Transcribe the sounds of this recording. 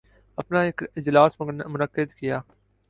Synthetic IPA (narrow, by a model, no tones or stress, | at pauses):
əpnaːɪkɪd͡ʒlaːsmmʊnəkːɪd̪kɪjaː